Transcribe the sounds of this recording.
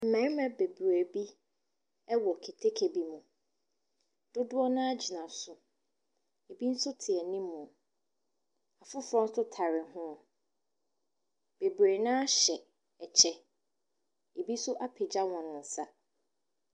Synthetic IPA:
m̩˨mɛ̃˨˦mã˨be˨bɾæ˨bi˦ | ɛ˦wɔ˨kʰi˨tʰe˦kʰe˨bi˦mũ˨ | d̥ʊ˦dʊ˦ɔ˦nã˦a˦d͡ʑi˨nã˨sʊ˨ | e˨bi˦n̩˦sʊ˦tʰɪ˨ɛ˨nĩ˦mːũ˨ | a˨fʊ˦fɾɔ̃˦n̩˦sʊ˦tʰa˨ɾɪ˨hʊ̃˦˨ | b̥e˨bæ˨nã˦a˦ɕɛ˨ | ɛ˨t͡ɕʰɛ˦ | e˨bi˦sʊ˦ʔa˦pʰɪ˨d͡ʑa˦wɔ̃˨nʊ̃˨n̩˨sa˦

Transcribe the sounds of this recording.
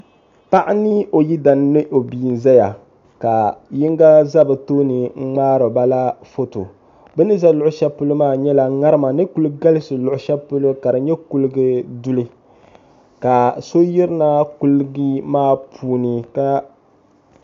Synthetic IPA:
pa˦ʔa˦nɨ˦o˨ji˦da˨n˦no˦ʔo˨bi˨n˨za˦ja̰˨ | ka˨ji˦ŋɡa˦za˦bɨ˨to˦nɨ˨ŋ͡m̩˦ŋ͡maː˦ɾo˨ba˦la˦fo˦to̰˨ | bɛ˦nɨ˦za˦lʊ˦ʔʊ˨˦ʃɛ˦pu˦lɨ˦maː˦˨ɲɛ˦la˨˦ŋa˦ɾɨ˦ma˨nɨ˦ku˦lɨ˦ɡa˦lɨ˦sɨ˨lʊ˨ʔʊ˨ʃɛ˦pu˦lʊ˦ka˨dɨ˨ɲɛ˦ku˦lɨ˦ɡɨ˦du˦lɨ˦ | ka˨so˦ji˦ɾɨ˦na˦ku˦lɡi˦maː˦˨pʰuː˦nɨ˨ka˦

